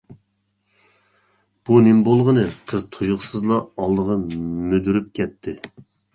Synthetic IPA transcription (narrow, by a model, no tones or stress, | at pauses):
b̥unɪmbolˠʁənɨqʰəzt̪ʰojʊqsɨzlˠɑɑlˠd̪əʁɑmød̪yɾyp̚kʲʰɛt̪ʰːɪ